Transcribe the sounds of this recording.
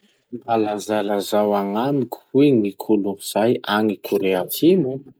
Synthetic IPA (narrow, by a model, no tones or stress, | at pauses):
malazalazawaŋamikʲʰu̥wiŋikʰuluiz̥ajaŋikʰuɾeatʰimu